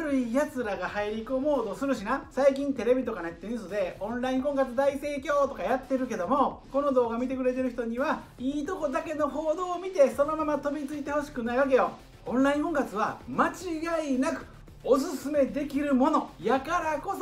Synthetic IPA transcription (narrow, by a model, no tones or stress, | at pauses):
ɾɯ̟ijat͡sɨɾaɡahaiɾʲikɯomo̞ːd̪o̞sɨɾɯ̟ɕinãsaikʲĩnt̪e̞ɾe̞bʲit̪o̞kanaet̪ːeɯ̃sod̪e̞õ̞ñɾaĩŋkõ̞ŋkat͡sɨd̪aise̞ːkʲo̞ːt̪o̞kajat̪ːe̞ɾɯ̟ke̞d̪o̞mo̞ko̞no̞d̪o̞ːɡamʲit̪e̞kɯ̟ɾe̞t̪e̞ɾɯ̟çi̥t̪o̞ɲ̟iβa | iːt̪o̞ko̞d̪ake̞no̞ɦo̞ːd̪o̞ːmʲit̪e̞so̞no̞mamat̪o̞bʲit͡sɨit̪e̞ho̞ɕi̥kɯ̟naiβak̬e̞jo̞ | õ̞nɾaĩŋkõ̞ŋkat͡sɨβamat͡ɕiɡainakɯ̟̥ | os̬ɨsɨme̞d̪e̞kʲiɾɯ̟mo̞no̞jakaɾako̞s